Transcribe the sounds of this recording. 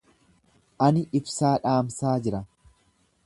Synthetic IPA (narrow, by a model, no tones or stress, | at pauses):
ʔɐnɪʔɪbsaːᶑaːmsaːd͡ʒɪɾɐ